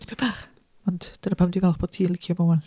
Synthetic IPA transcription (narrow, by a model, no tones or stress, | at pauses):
pʰebaχ | ɔnd̥d̥ənəpʰamdivɛlˠχb̥ɔːd̥̚tʰiːlˠɪkʰjɔvowən